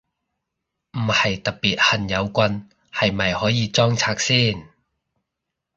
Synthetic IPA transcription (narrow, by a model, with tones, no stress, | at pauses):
m̩˨˩hɐ˨jt̪ɐ˨˩k̚piː˨t̚hɐ˨˩njɐ˨˧wkʷɐ˧n | hɐ˨jmɐ˨˩jhɔː˨˥jiː˨˧t͡sɔː˥ŋt͡sʰaː˧k̚siː˥˩n